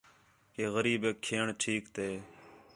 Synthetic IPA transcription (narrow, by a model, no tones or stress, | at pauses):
keːɣəɾiːbeːkʰːeːɳʈʰiːkt̪eː